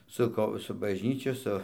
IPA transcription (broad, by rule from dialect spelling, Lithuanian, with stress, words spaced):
ˈsʊ koː sʊ bɐʒʲˈnʲiːt͡ʃʲʊ ˈsʊ